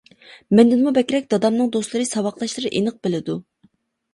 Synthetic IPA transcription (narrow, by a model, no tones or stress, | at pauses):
mɛnd̪ɪnmubɛkʲɾɛk̚ʲd̪ɑd̪ɑmnɨŋd̪oslˠɨɾɨsɑwɑqlˠɑʃlˠɨɾɨʔenɨq̚bɪlɪd̪u